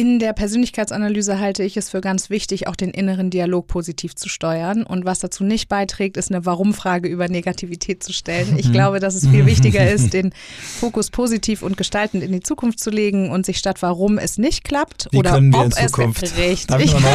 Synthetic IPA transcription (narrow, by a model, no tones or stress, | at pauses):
ʔɪndeːɐpʰɛɐzøːnlɪçkʰaɪt͡sanalyːzəɦaltəɪçɛsfyːɐɡant͡sv̥ɪçtɪça̰ʊxd̥eːnʔɪnəʁ̞əndialoːk̚pʰoːzitʰiːft͡su̥ʃtɔʏɐnʔʊ̰ntv̥asd̥at͡suːnɪçt̚b̥aɪtʁ̥ɛːk̚tɪstnəvaʁ̞ʊmfʁ̥aːɡəyːbɐneɡatʰiːvitʰɛːt̚t͡suʃtɛlənɪçɡ̥laʊbədas̬ɛsfiːlvɪçtɪɡɐɪst̚d̥eːn | foːkʊspʰoːzitʰiːfʊnt̚ɡ̥əʃtaltn̩tɪndit͡suːkʰʊnftt͡suleːɡŋ̩ʊntz̥ɪçʃtatv̥aʁʊmɛ̰snɪçt̚kʰl̥aptʔoːdɐœnəniɔɐɪnpɛskʰʊnfʁɛçɪ